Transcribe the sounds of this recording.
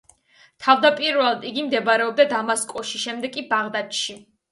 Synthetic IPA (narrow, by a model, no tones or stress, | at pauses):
t̪ʰavd̪apʼiɾvɛlˠad̪iɡimd̪ɛbaɾɛɔb̚d̪ad̪amaskʼɔʃiʃɛmd̪ɛkʼibaʁd̪at̪ʃi